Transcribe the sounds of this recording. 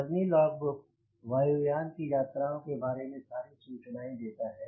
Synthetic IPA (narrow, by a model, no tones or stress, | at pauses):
ɐznilɔːɡʊk̚ | ʋaːjujaːnkijaːt̪ɾaɦõkebaːɾemẽsaːɾisuːt͡ʃnaːĩd̪eːt̪aɦɛː